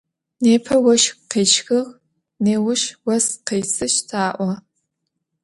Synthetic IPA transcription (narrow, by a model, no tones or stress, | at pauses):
neːpʰɐwɐʃqeːʃxɨʁ | neːwʊʃwɐsqeːsɨʃtʰaːʔʷɐ